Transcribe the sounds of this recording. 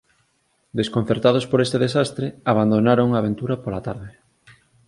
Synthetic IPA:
d̪eskonθeɾt̪að̞ospoɾest̪eðesast̪ɾeaβ̞and̪onaɾoŋaːβ̞ent̪uɾɐpolat̪aɾðɪ

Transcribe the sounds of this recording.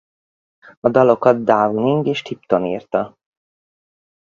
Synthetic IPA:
ɒd̪ɒlo̞kɒd̪̚d̪aːvuniŋɡeːʃt̪ipt̪o̞nḭːrt̪ɒ

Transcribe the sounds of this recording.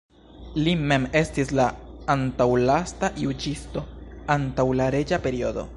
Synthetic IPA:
lime̞me̞stislaːntawlastajud͡ʒisto̞antawlaɾe̞d͡ʒape̞ɾio̞d̪o̞̰

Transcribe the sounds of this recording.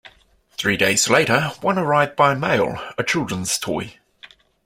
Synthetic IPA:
θɹiːdeɪz̥leɪɾəwʌ̃nəɹaɪvd̚baɪmḛɪlˠət͡ʃʰɪlˠdɹə̃nz̥tʰɔ̰ɪ

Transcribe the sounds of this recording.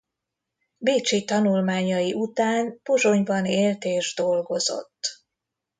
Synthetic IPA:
beːt͡ʃit̪ɒnulmaːɲɒjiʔut̪aːnpo̞zo̞ɲbɒneːlt̪eːʒd̪o̞lɡo̞zo̞̰t̪ː

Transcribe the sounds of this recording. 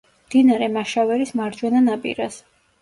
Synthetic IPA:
md̪̥inaɾɛmaʃavɛɾismaɾd͡ʒwɛnanapʼḭɾas

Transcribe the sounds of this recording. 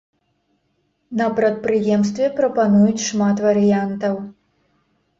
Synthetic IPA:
nɐpɾɐt̪̚pɾɨjɛmst̪vʲɛpɾɐpanujut͡sʲʂmat̪vɐɾɨjant̪ɐw

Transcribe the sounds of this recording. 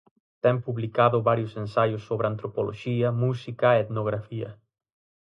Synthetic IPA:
t̪ɛmpuβlikaðʊβaɾjʊsensajʊsːoβɾant̪ɾopolo̰ʃiɐmusikɐeet̪noɣ̞ɾafiɐ̰

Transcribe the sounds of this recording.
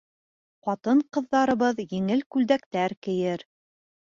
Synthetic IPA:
qɑt̪ɤɴqɤ̆ðːɑɾɤ̆βɤðjɘ̆ŋɘlkʉld̪ækt̪æɾkɘ̆jɘɾ

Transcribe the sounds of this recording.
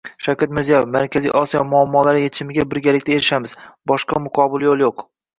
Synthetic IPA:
ʃawkʲat̪̚mɪɾzijajefmaɾkʲʰazḭʔɒsijɒmʊamːɒlaɾɪjet͡ʃʰɪmɪɡʲabɪɾɡʲalɪkʲt̪aeɾɪʃamɪz̥bɒʃqɑmʊqʰɒbɪljolˠjoq

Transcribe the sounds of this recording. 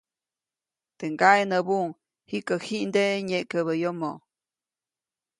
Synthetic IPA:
t̪eŋɡaenəbuŋ | hikəhiʔnd̪eɲekəβəjomo

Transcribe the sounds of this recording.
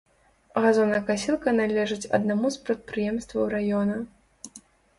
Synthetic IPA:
ɣazɔnɐjkasʲilˠkɐnalʲɛʐɨt͡sʲɐ̰d̪namuspɾɐt̪̚pɾɨjɛmst̪vɐwɾajɔnɐ

